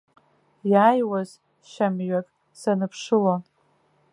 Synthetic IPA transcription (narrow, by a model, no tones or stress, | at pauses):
jaːjwaz | ʃamɥakʼ | sanɨpʰʂɨlan